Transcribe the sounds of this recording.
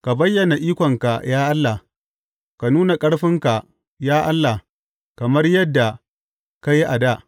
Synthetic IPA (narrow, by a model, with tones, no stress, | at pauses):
ka˨bɐ˦jːɐ˨na˨ʔiː˦kʷɔ˨ŋka˨jaː˦ʔa˦lːa˨ | ka˨nuː˦na˨kʼɐ˦ɽɸɪ˦ŋka˨ | jaː˦ʔa˦lːa˨ | kɐ˨mɐ˦rjɐ˦dːa˨ | ka˦ji˦ʔa˨da˦˨ʔ